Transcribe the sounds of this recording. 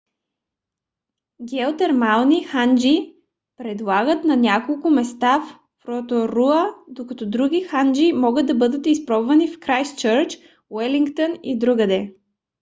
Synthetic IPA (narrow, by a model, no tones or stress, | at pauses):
ɡʲɛot̪ɛɾmalˠnixand͡ʒi | pɾɛd̪lˠaɡət̪nɐnʲakolˠkʊmɛst̪af | fɾot̪oɾuəd̪okɐt̪ɔd̪ɾuɡʲixand͡ʒimɔɡət̪̚d̪ɐbɤd̪ət̪ispɾɔbvɐnifkɾajst͡ʃəɾt͡ʃ | wɛliŋkt̪onid̪ɾuɡəd̪ɛ